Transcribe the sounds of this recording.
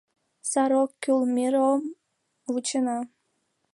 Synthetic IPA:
sɑɾokːylmiɾom | wut͡ɕənɑ

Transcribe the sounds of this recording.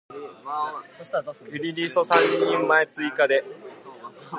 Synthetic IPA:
ɾʲiɾʲiːso̞sãɲɲːĩmːaet͡sɨikad̪e̞

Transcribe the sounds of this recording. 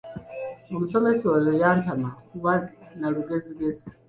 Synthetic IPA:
mumisomesojojaːntamakuβanaluɡeziβezi̥

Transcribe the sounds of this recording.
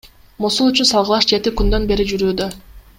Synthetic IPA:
mosulˠyt͡ʃynsɑlˠʁəlˠɑʃd͡ʒe̞t̪ikynd̪ø̞nbe̞ɾid͡ʒyɾyːd̪ø

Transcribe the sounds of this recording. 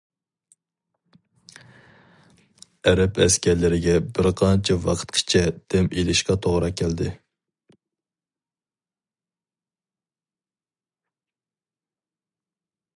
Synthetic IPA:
ɛɾɛpɛ̰skʲæɾlɪɾɪɡʲɛbɪɾqʰɑnt͡ʃʰɛwɑqʰə̥t̪kʰɨ̥t͡ʃʰɛd̪̥ɛmelɪʃqɑt̪ʰoʁɾɑkʲʰæld̪ɪ

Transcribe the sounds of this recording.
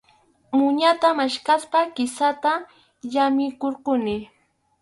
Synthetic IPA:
mʊɲat̪amaʃkaspakɪsat̪a | ʎamɪkoɾqʊnɪ

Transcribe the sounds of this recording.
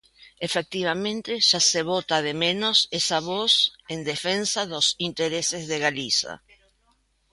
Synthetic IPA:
efek̚t̪iβamẽnt̪eʒ̥aseβ̞ot̪aðemẽnosesaβosend̪efensaðosint̪eɾesezðeɣalisa̰

